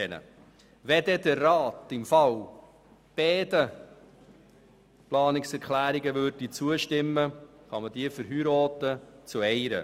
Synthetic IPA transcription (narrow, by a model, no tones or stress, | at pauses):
ɛnə̰ | ʋɛdɛdərːɑːtɪmfɑl | b̥ɛːdə | plɑːnɪksɛɾkʰlæːɾiɡəvʏɾd̥it͡suəʃtɪmːə | χɑməd̥iəfəɾɦyɾoːtət͡suɛɪɾə̰